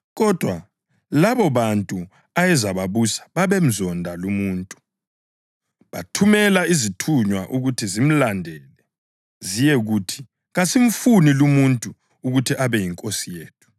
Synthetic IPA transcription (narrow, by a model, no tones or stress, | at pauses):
ɣɔd̥ʱwa | laβɔβantʼu | ajɛzaβaβusḁβaβem̩zɔndʱalumuːntʼu̥ | βa̰tʰumɛlaizitʰuɲwaʔuɣutʰizim̩landʱɛlɛ | zijɛɣutʰi̥ | ɣasiɱ̩funilumuntʼu | uɣutʰiʔaβɛjiŋkʼosijeːtʰu̥